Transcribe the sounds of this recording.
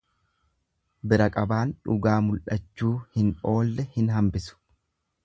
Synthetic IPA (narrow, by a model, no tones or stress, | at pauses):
bɪɾɐkʼɐbaːnᶑʊɡaːmʊlʔɐt͡ʃːuːhɪno̞ːlːɛhɪnɦɐmbɪsʊ̥